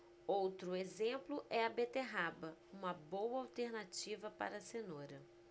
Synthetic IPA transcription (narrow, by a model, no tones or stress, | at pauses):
owt̪ɾʊezẽplʊʔɛɐbet̪eɦabɐũmɐbowɐawt̪eɾnat͡ʃivɐpa̰ɾɐsenoɾɐ